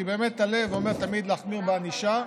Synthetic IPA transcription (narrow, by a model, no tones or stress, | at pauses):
ibe̞ːme̞t̪ːale̞vome̞ʁt̪amid̪laːχmiʁbeaniʃa